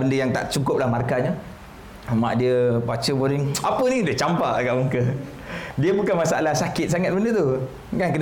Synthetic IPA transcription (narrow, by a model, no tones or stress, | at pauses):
bəndəjaŋt̪a̰ʔt͡ʃukʊp̚lahmarkaɲə | ma̰ʔdiəbat͡ʃəboɾiŋapənidət͡ʃampaʔkaʔmuŋkə | diəbukanmasaʔalahsakɪt̪̚saŋat̪̚bəndət̪u | kankən